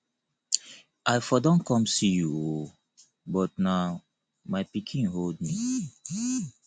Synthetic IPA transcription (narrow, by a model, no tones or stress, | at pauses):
aɪfɔdɔ̃nkʰɔ̃msijuo | bɔt̚na | maɪpikʰĩnɦold̚mi